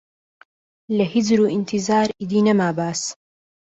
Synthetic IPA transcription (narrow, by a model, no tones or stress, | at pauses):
lɐhid͡ʒɾuːʔint̪ʰizaːɾʔid̪iːnɐmaːbaːs